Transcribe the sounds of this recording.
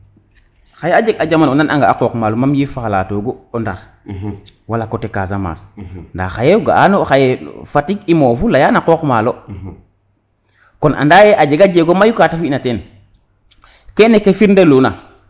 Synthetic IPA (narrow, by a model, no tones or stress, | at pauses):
xajead͡ʒeɡad͡ʒamanondanʔa̰ŋɡaːkokmaːlomamjifalatoɡoondaɾ | walakotekasama̰ːsnda̰xajeɡa̰a̰noxajefatikimoːfulajanaqokmalo | konʔa̰ndajeʔad͡ʒeɡad͡ʒeɡomajukatafiinaten | kenekefiɾndeluːna